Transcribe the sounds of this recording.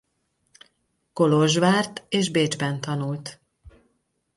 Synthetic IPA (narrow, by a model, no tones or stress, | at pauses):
ko̞loʒʋaːrt̪eːʒbeːd͡ʒbɛnt̪ɒnult̪